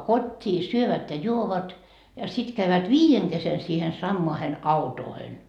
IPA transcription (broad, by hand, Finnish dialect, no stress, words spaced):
kotʲːiː syøʋæt jɑ juoʋɑt jɑ sit kæyʋæt ʋiːjeŋ kesen siːhen sɑmːoɑhen ɑutoːhen